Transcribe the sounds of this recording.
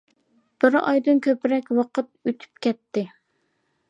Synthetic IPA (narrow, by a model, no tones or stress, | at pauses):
b̥ɪɾɑ̰jd̪ɨnkʲʰøpɾɛkʲwɑqət̪̚øt̪ʰy̥p̚kʲʰɛt̪ʰːɪ